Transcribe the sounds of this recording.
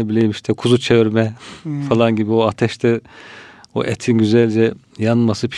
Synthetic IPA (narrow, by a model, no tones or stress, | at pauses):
ebilʲejimiʃt̪ʰɛkʰuzut͡ʃʰeviɾmɛfalˠanɟibioat̪ʰɛʃt̪ʰɛ | o̰ʔɛt̪ʰinɟyzælʲd͡ʒɛ | janmasɯpʰ